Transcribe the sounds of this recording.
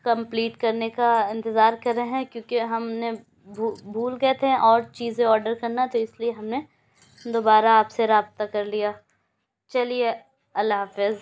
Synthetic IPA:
kɐ̃mpliːʈkɐɾnekaɪ̃nt̪ɪzaːɾkɐɾeɦɛ̃kjõːkeɦɐmne | bʱubʱuːlkɛt̪ʰɦɛ̃ʔɔːɾt͡ʃiːzẽɔːɾɖəɾkɐɾnat̪oɪslieɦɐmne | d̪oːbaːɾaːpseɾaːb̚t̪akɐɾlijaː | t͡ʃɐlie | ɐlaːfɪz

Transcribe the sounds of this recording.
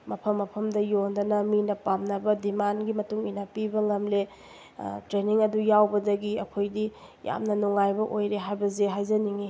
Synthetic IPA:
mɐpʰɐmːɐpʰɐmdɐjondɐnɐminɐpamnɐbɐdimanɡimɐtuŋinapibɐŋɐmle | tɾeniŋɐdujawbɐdɐɡiɐkʰojdi | ja̰mnɐnuŋajbɐʔojɾeɦajbɐzeɦajzɐniŋi

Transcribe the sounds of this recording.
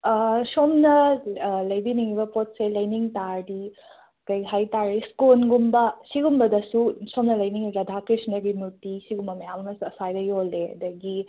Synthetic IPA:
somnɐlɐjbiniŋibɐpot̚selɐjniŋtaɾdi | kɐjɡɦajtaɾiskunɡumbɐsiɡumbɐdɐsusomnɐlɐjniŋɐɡɐdʱakɾisnɐɾɡimutisiɡumbɐmɐjamɐmɐsuɐsajdɐjoleɐ̰dɐɡi

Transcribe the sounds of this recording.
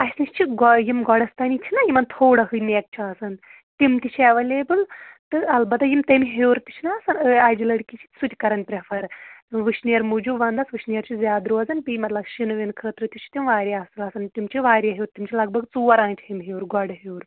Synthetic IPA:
ɐsʲnist͡ʃʰiɡɔjimɡɔɽɐst̪ɐnit͡ʃʰinɐjimɐnt̪ʰoːɽɐɦɨmeːk̚t͡ʃʰiaːsɐn | t̪imt̪it͡ʃʰɐʋɐleːbɨlt̪ɨɐlbɐt̪ɐjimt̪ɐmʲɦewɾt̪i̥t͡ʃʰinaːsɐnɨaːd͡ʒilɐɽkʲit͡ʃʰi̥sut̪ʲikɐɾɐnpɾepʰɐɾʋɨʃnijɐɾmud͡ʒubʋɐnd̪ɐsʋɨʃnijɐɾt͡ʃʰizʲjaːd̪ɾuːɐzɐnpimɐt̪lɐbʃinɨʋinkʰəːt̪ɾɨt̪it͡ʃʰi̥t̪imʋaːɾʲiaːsɨlɐsɐnt̪ʲimt͡ʃʰiʋaːɾjɐɦeːɾt̪imt͡ʃʰilɐɡ̚bʱɐɡt͡suːɐɾãːnt͡ʃʰɦimɦewɾɡɔɽɦeːɾ

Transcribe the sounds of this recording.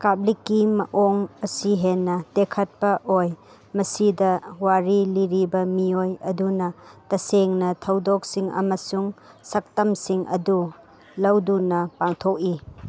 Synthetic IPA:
kablikːimɐ̰ʔoŋɐsiɦenːɐdekʰɐt̚pɐʔoj | mɐsidɐwaɾiliɾibɐmiojɐdunɐtɐseŋnɐtʰɐwdok̚siŋɐ̰mɐsuŋsɐk̚tɐmsiŋʔɐ̰du | lɐwdunɐpaŋtʰok̚i

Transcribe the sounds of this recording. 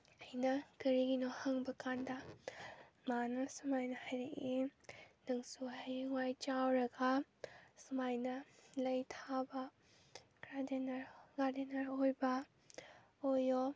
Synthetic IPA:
ɐjnɐkɐɾiɡinohɐŋbɐkandɐ | manɐsumajnɐhajɾeʔinɐŋsuɦajŋwajt͡ʃawɾɐɡɐ | sumajnɐlɐjtʰabɐ | kɾadenɐɾɡaɾdenɐɾojbɐ | ojo

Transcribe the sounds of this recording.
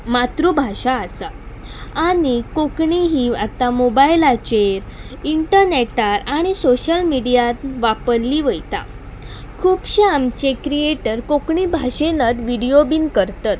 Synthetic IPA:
mat̪ɾubʱaɕaːsa | añikokɳiɦiːat̪amobailat͡ɕeɾiɳʈəɾneʈaɾaɽ̃isoɕəlmiɽijat̪ʋapəɾliːʋəjt̪a̰ | kʰuːpɕiamt͡ɕekɾieʈəɾkokɳibʱaɕenət̪ʋiɽijobiːnkəɾt̪at̪

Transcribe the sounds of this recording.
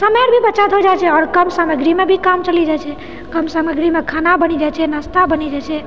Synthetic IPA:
səmeɾbʱibətːt͡ʃat̪ɦod͡ʒajt͡ʃʰɛɔɾkəmsaməɡɾimebʱikamt͡ʃəlid͡ʒat͡ʃʰɛ | kəmsaməɡɾimekʰanabənid͡ʒajt͡ʃʰɛnast̪abənid͡ʒat͡ʃʰɛ

